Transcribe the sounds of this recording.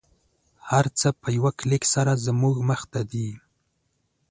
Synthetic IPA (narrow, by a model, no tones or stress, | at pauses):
haɾt͡səpəjawaklɪksaɾazəmuɡməxt̪ad̪i